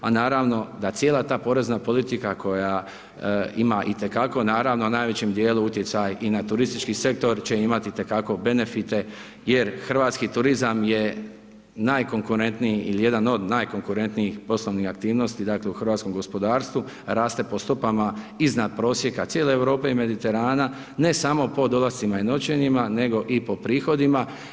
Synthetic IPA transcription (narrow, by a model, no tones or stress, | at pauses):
anaːɾaʋno̞d̪at̪sjeːlat̪aːpo̞ɾe̞znapo̞lit̪ikako̞ja | imaʔit̪e̞kako̞naːɾaːʋno̞naːjʋe̞t͡ɕemd̪je̞ːluut̪jet̪sajinat̪uɾist̪it͡ʃkise̞k̚t̪o̞ɾt͡ɕe̞imat̪it̪e̞kako̞be̞ne̞fit̪e̞ | je̞ɾxr̩ʋaːt̪skit̪uɾizamje̞ | naːjko̞ŋkuɾe̞nt̪niiilije̞d̪ano̞d̪naːjko̞ŋkuɾe̞nt̪niixpo̞sloʋnixak̚t̪iːʋno̞st̪id̪aːkle̞uxr̩ʋaːt̪sko̞mɡo̞spo̞d̪aːɾst̪ʋu | ɾaːst̪e̞po̞st̪opamaiznad̪̚pɾo̞ːsje̞kat̪sjeːleeʋɾo̞ːpe̞ime̞d̪it̪e̞ɾaːna | ne̞saːmo̞po̞d̪o̞last̪simaino̞t͡ɕe̞ɲimane̞ɡo̞ʔipo̞pɾiːxo̞d̪ima